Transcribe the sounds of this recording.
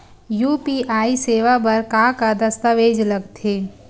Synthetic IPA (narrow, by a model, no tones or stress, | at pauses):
juːpiʔaːiseːʋabɐɾkakad̪ɐst̪aʋeːd͡ʒlɐɡt̪ʰeː